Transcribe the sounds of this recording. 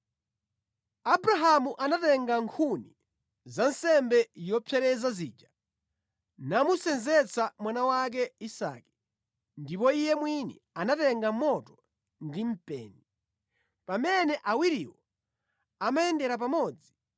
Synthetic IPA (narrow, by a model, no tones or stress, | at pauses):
abɾaɦamuʔanatɛŋɡaŋkʰuni | zan̩sɛmbɛjɔpʰjɛɾɛzaziːd͡ʒa | namusɛnzɛt͡sʰamwanawak̬ɛisa̰ki̥ | ndipɔijɛmwinɛ̰ | anatɛŋɡamɔtɔ̥ | ndim̩pɛ̰ːni | pamɛnɛʔawiɾiwɔ | amajɛndɛɾap̬amɔːd͡zi